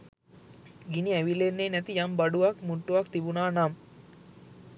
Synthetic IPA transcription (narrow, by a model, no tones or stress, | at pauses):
ɡiniæʋilenːeːnɛt̪ijambaɖuʋakmuɳʈːuʋɐkt̪ibunaːnam